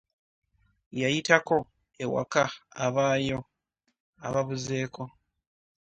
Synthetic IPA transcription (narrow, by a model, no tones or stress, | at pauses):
jajitako̞ | ewa̰kaːβaːjo̞ | a̰βaβuzeːko̞